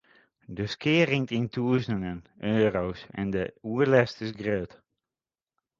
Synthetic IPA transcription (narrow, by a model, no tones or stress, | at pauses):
dəskɪːərɪŋtintʰuːəsənənøːrowsɛ̰ndəuərlɛstɪsɡrøːt